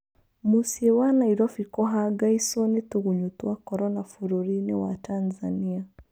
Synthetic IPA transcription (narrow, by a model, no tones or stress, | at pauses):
musiɛwanaiɾɔfikɔɦaɡaisɔnituɣuɲutuakɔɾɔnafuɾɔɾinɛwa̰tanzania